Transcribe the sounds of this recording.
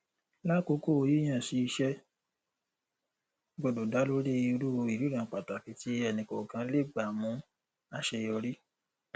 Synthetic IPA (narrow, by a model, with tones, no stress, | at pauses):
la˦˨ko˧˦ko˦˨o˧ji˦j̃ã˦˨si˧ʃɛ˧ | ɡ͡bɔ˨do˨da˨˦lo˦ɾe˦˧u˧˦ɾu˦o˧i˨ɾi˨˦ɾã˨k͡pa˨ta˨ki˧˦ti˦ɛ˦˨nĩ˨kɔ˨kã˧˦le˦˨ɡ͡ba˨mũ˨˦ | a˦ʃɛ˧jɔ˧ɾi˦